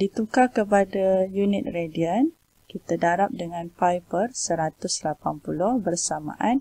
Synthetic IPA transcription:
dit̪ukakəpadajunɪt̪̚rediən | kit̪adaɾap̚dəŋãnpajpərsəɾat̪ʊslapanpulʊhbərsamã̰ʔan

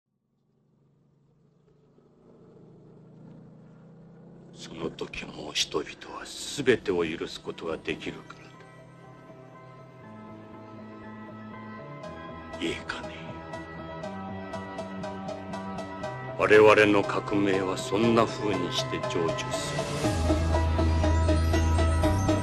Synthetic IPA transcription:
so̞no̞t̪o̞kʲimo̞çi̥t̪o̞bʲi̥t̪o̞βasɨbe̞t̪e̞o̞jɯɾɯ̟sɨ̥ko̞t̪o̞ɡad̪e̞kʲiɾɯ̟kḁɾad̪ḁ | eːkʰḁne | βaɾe̞βaɾe̞no̞kʰakɯ̟me̞ːβ̞asõ̞nːaɸɯ̟ːɲ̟iɕi̥t̪e̞d͡ʑo̞ːd͡ʑo̞sɨɾɯ

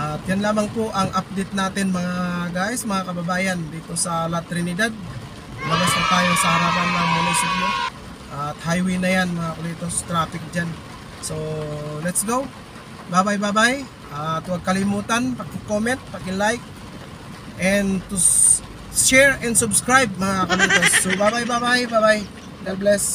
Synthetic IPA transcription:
ʔat̪̚jɐnlaːmɐŋpoʔɐŋʔap̚d̪ejt̪̚naːt̪ɪnmɐŋaɡaːʔɪsmɐŋakɐbɐbaːjand̪iːt̪osɐlɐt̪ɾɪnɪd̪ad̪̚ | mɐlɐsɐt̪aːjaŋsɐhɐɾaːpanmɐamɐluːsʊd̪̚mo | ʔat̪hajwinɐjanmɐŋakʊlit̪ost̪ɾaːfɪk̚d͡ʒan | solɛt̪sɡow | babajbabaj | at̪uakɐlimut̪anpakɪŋkomɛnt̪̚pakɪŋlajk̚ | ʔɛnt̪u | ʃɛɹɛnsʊbskɾajb̚mɐŋakʊlit̪osːobabajbabajbabaj | nɛlblɛs

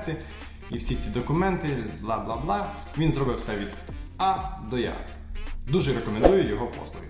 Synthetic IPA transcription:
t̪ɪ | iwsʲit͡sʲid̪ɔkʊmɛnt̪ɪblˠɑblˠɑblˠɑ | ʋʲinzɾɔbɪwsɛʋʲid̪ɑd̪ɔja̰ | d̪uʒɛɾekɔmend̪ujʊjɔɦɔpɔ̰slˠɔʋʲɪ

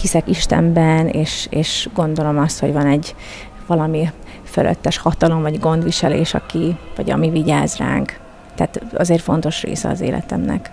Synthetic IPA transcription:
hisɛkiʃt̪ɛ̰mbɛneːʃeːʃɡo̞nd̪o̞lo̞mɒst̪ho̞ɟvɒnɛɟ | vɒlɒmi | fø̰lø̰t̪ːɛʃhɒt̪ɒlo̞mvɒɟɡo̞nd̪ʋiʃɛlḛːʃɒ̰kivɒɟɒ̰miviɟaːzra̰ːŋk | t̪ɛːt̪ɒ̰zeːrfo̞n̪t̪o̞ʃrḛːsɛ̰ɒ̰zḛːlʔɛ̰t̪ɛmnɛ̰k

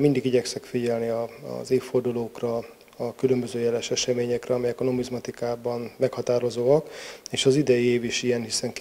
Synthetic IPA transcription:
mind̪iɡiɟɛksɛkfiɟɛlniɒ̰zeːfːord̪uloːkrɒ | ɒkylømbøzøːjɛlɛʃɛʃɛmeːɲɛkrɛɒmɛjɛkɒnomizmɒt̪ikaːbɒnmɛkhɒt̪aːɾo̞zoːɒkeːʃɒzid̪ɛjieːviʃijɛnhisɛŋk

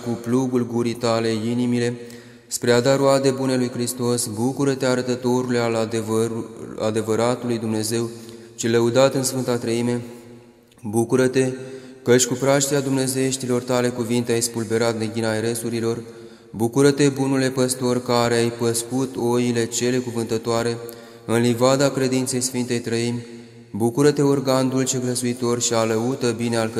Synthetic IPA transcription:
kuplubulɡuɾit̪ale̞inimile̞ | spɾe̞ad̪aɾoad̪e̞bune̞lujkɾist̪o̞sbukuɾət̪e̞aɾət̪ət̪o̞ɾulealvua̰d̪e̞vəɾat̪ulujd̪umne̞ze̞w | t͡ʃeləud̪at̪ɨnsfɨnt̪at̪ɾəime̞ | bukuɾət̪e̞kəʃʲkupɾaʃt̪iad̪umne̞zeeʃt̪ilo̞rt̪ale̞kuvint̪eajspulbe̞ɾat̪ne̞ɡʲinaeɾesuɾilo̞r | bukuɾət̪e̞bunule̞pəst̪o̞rkaɾeajpəskut̪o̞ile̞t͡ʃe̞le̞kuvɨnt̪ət̪oaɾe̞ | ɨnlivad̪akɾe̞d̪int̪se̞jsfint̪e̞jt̪ɾəimʲ | bukuɾət̪e̞orɡand̪ult͡ʃeɡləsuit̪o̞rʃialəut̪əbinealk

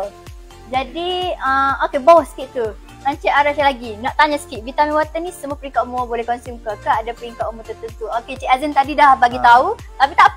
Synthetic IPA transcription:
d͡ʒadiəokebawahsə̥kiʔ̪̚k̪u | kaɲt͡ʃaʔaɾat͡ʃalaɡinãʔt̪aɲãsə̥kiʔ̪vit̪amĩwat̪ənĩsəmuapəɾiŋkaʔumoabolɛhkɔnsumkakaadapəɾiŋkaʔumot̪ət̪ət̪uoket͡ʃiʔazənt̪adidahbaɡit̪aut̪apit̪aʔ

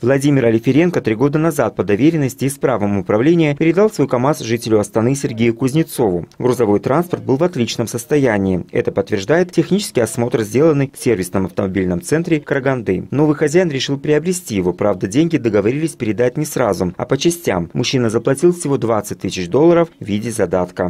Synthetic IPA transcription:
vlˠɐdʲimʲɪɾɐlʲɪfʲɪɾʲe̞nkət̪ɾʲiɡo̞d̪ənɐzat̪̚pəd̪ɐvʲeɾʲɪnːəsʲtʲɪːspɾavəmʊpɾɐvlʲenʲɪjʊpʲɪɾʲɪd̪ɑlˠsvojkɐmasʐɨtʲɪlʲʊɐst̪ɐnɨsʲɪrɡʲejʊkʊzʲnʲɪt̪so̞vʊɡɾʊzɐvo̞jt̪ɾanspərt̪̚bɨlˠvɐt̪lʲit͡ɕnəmsəst̪ɐjænʲɪːɛ̰t̪əpət̪ːvʲɪrʐd̪ajɪt̪tʲːɪxnʲit͡ɕɪ̥skʲɪjɐsmo̞t̪rzʲdʲe̞lˠənːɨjfsʲervʲɪsnəmɐft̪əmɐbʲilʲnəmt̪sɛnt̪ɾʲɪkəɾəɡɐnd̪ɨ̰no̞vɨjxɐzʲæjɪnɾʲɪʂɨlˠpɾʲɪɐbɾʲɪsʲtʲijɪvo̞pɾavd̪ədʲenʲɡʲɪd̪əɡəvɐɾʲilʲɪsʲpʲɪɾʲɪd̪atʲnʲɪsrazʊmɐ̰pət͡ɕɪsʲtʲa̰mːʊɕːinəzəplˠɐtʲilˠfsʲɪvod̪vat̪sɨt̚ʲt̪ːɨsʲɪt͡ɕd̪o̞lˠːəɾəfvʲidʲɪzɐd̪at̪kə

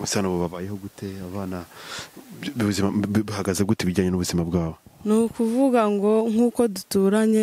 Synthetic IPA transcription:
usaːnoβoβaβaːje̞hoɡutʰe̞aβaːna | uβuzimaβuhaɡazeɡuteβiɾɟaːɲenuβuzimabɡaːβo̞nukuvuɡaŋɡo̞ŋ̥uːko̞dutuːɾaɲe̞

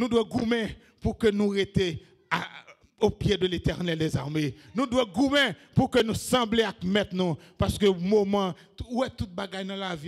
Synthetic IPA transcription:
nũd̪wɛɡumɛ̃ | pukønũʁet̪e | a | opjed̪əlet̪ɛʁnɛld̪ɛzaʁmenũdwɛɡumɛ̃pukønũsɑ̃bleakmɛt̪nũ | paʁskømomã | wɛt̪ut̪̚baɡajnãlavi

